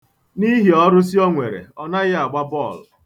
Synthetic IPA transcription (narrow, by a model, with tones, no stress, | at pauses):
ni˦ɦi˨ɔ˦ɾʊ˦s̬i˦ɔ˦ŋʷḛ˨ɾḛ˨ɔ˦na˦ɣɪ˦a˨ɡ͡ba˦bɔ˦˨l